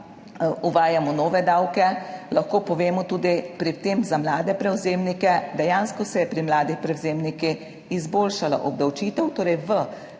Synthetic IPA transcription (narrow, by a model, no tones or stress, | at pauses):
uʋaːjamɔnɔːʋɛd̪awkɛlɐxkoːpɔʋeːmɔt̪uːd̪ipɾit̪eːmzamlaːd̪ɛpɾɛwzeːmnikɛd̪ɛjaːnskɔsɛjɛpɾimlaːd̪ipɾɛwzeːmniki | izboːlʃala̰ʔɔb̚d̪awt͡ʃiːt̪ɛwt̪oːɾɛjʋə